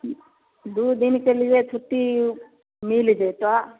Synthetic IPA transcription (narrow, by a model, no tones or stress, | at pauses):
d̪uːd̪inkelid͡ʒet͡ʃʰuʈːi | miːlid͡ʒet̪a